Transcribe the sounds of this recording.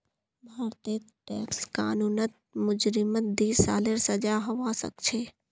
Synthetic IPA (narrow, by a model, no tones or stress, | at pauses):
bʱaːɾt̪i | ʈɛ̰ːkska̰ːnuːnət̪̚mʊd͡ʒɾɪmət̪̚d̪iːsa̰ːleɾsɐd͡ʒaːɦɐʋaːsə̰kt͡ʃʰeː